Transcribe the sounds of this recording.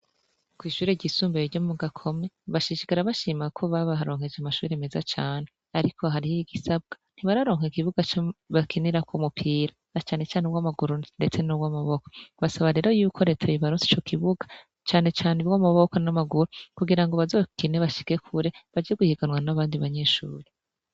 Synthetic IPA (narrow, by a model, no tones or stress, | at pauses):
kwiːʃuːɾeɟisuːmbejiɾɟomuɡakʰo̞me̞βaʃiʃikaɾaβaʃiːmakʰo̞βaβaaɾo̞ːŋhe̞d͡ʒamaʃuːɾeme̞zat͡ʃaːne̞ | aɾikʰo̞ɦaɾihiiɡisab̚ɡ̥ḁn̥hiβaɾaɾo̞ːŋ̥hekiβuɡat͡ʃoβakiniɾakwomupʰiːɾa | nat͡ʃaːne̞t͡ʃaːnebɡwamaɡuɾunde̞t͡se̞nubɡamaβo̞ko̞βasaβaɾe̞ːɾo̞juːkʰo̞ɾetʰajiβaɾunsi̥t͡ʃo̞kʰiβuɡḁ | t͡ʃaːne̞t͡ʃaːneβɡwamaβo̞ko̞namaɡuɾukuɡiɾaŋɡoβazo̞ːkineβaʃi̥ke̞kʰuɾe̞βad͡ʒeɡuhiɡanwanaβaːndiβaɲe̞ːʃṵːɾi